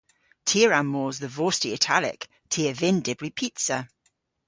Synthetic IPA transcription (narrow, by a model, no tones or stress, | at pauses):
tʰiəɹamːoːzðəvoːstiɪtʰa̰lɪ̰k | tʰiəvɪndɪbɹipʰitsə